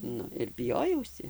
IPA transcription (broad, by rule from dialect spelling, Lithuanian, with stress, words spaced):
ˈnʊ ɪr bʲɪˈjoːjɛʊsʲɪ